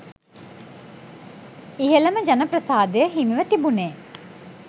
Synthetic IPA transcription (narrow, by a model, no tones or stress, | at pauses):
iɦeləməd͡ʒanəpɾəsaːd̪ejəɦimiʋət̪ibuneː